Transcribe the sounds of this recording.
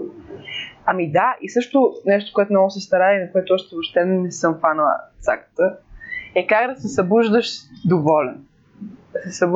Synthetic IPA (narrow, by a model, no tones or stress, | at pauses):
amid̪aisɤʃt̪ʊnɛʃt̪o̥koɛt̪ʊnɔɡʊsɛst̪ɐɾaiinɐkoɛt̪ʊɔʃt̪ɛvoʃt̪ɛnɛsɤmfanəlˠə̰t̪sa̰kə̥t̪əɛkaɡd̪ɐsɛsɐbuʒd̪əʃd̪ovɔlɛn | d̪ɐsɛsɐb